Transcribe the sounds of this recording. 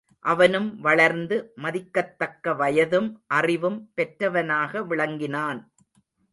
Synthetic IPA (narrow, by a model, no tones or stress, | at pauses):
ʔɐʋɐnɯmʋɐɭɐɾnd̪ɯmɐðɪkːɐt̪ːɐkːɐʋɐjɐðɯmʔɐrɪʋɯmpɛʈɾɐʋɐnaːɣɐʋɪɭɐŋɡɪnaːn